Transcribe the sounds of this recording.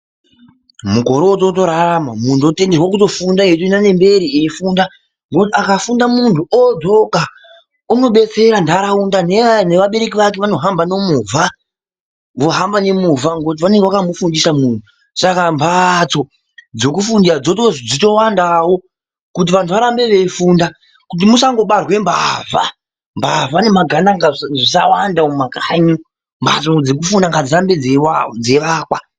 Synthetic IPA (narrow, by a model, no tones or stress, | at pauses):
muko̞ɾoto̞t̬o̞ɾaɾamamuntuote̞nderwakuto̞fundajetuinane̞mbe̞ɾiefuːnda | ŋɡotiakafundamuntʰuod͡zo̞ka | uno̞ɓe̞t͡se̞ɾandaɾaundaneane̞ʋaɓe̞ɾe̞kiʋake̞ʋano̞ɦambano̞muvʱa | ʋo̞ɦambane̞muvaŋɡot̬iʋane̞ŋɡeʋakamufundisamuːntʰu | sakambʰʱat͡so̞ | d͡zo̞kufundisad͡zo̞toʐod͡zito̞wandawo̞ | kut̬iʋantʰuʋaɾambe̞ʋe̞funda | kut̬imusaŋɡo̞ɓarwe̞mbava | mbavane̞maɡʱanaŋɡaʐisawandaomakaɲi | mba̰t͡sod͡zek̬ufundaŋɡad͡ziɾambed͡zed͡ze̞ʋaːkwa